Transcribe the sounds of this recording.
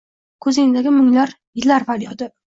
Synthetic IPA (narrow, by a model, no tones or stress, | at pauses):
kʰɵzɪŋɪd̪aɡʲɪmʊŋlaɾ | jɪlaɾvaɾjɒd̪ɪ